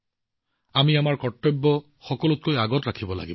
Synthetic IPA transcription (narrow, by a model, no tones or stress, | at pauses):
amiamaɹkɔtːɔbːɔ | xɔkɔlʊt̚kojaɡɔtɹakʰibɔla̰ɡib